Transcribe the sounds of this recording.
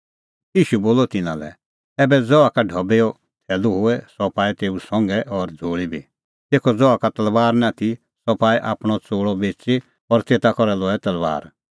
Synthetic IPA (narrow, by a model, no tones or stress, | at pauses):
iːʃuboːlɔt̪ɪnã̰lɛ̰ | ɛːbɛd͡zɔakaɖʱɔbeɔ | t̪ʰɛːluɦʊɛsɔpaːit̪eːusɔ̃ŋɡɛʔɔɾd͡zʱoːɭibʱi | t̪eːkʰɔd͡zɔakat̪ɐlʋaːɾnat̪ʰi | sɔpaːiʔa̰ːpɽ̃ɔt͡soːɽɔbeːt͡se | ɔɾt̪eːt̪akɔɾɛlɔɛt̪ɐlʋa̰ːɾ